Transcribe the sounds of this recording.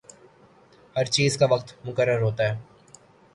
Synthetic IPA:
hɐɾt͡ʃiːzkaʋɐqt̪mʊkəɾːəɾɦoːt̪aɦɛː

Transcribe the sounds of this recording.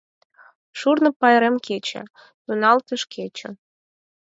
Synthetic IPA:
ʃurnə̆pɑjɾemket͡ɕḛ | t̪unɑlt̪əʃket͡ɕə̰̆

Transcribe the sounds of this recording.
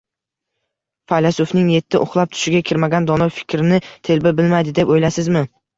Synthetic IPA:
fajlasofnɪŋje̞t̪ʰːɪʔʊχlˠap̚t̪ʰʊ̥ʃɪɡʲakʲʰɪɾmaɡʲand̪ɒnɒjfɪ̥kʲʰɾɪnɪt̪ʰe̞lbɪbɪlmajd̪ɪd̪e̞pojlasɪzmɪ

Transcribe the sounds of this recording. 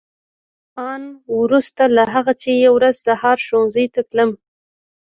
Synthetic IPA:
ɑnwɾust̪alaɦaɣat͡ʃejawɾazsahɑɾʃonzəjt̪at̪ləm

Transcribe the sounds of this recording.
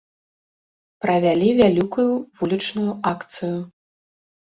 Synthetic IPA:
pɾɐvʲalʲivʲalʲikujuvulʲit͡ʂnujuʔakt̪sɨju

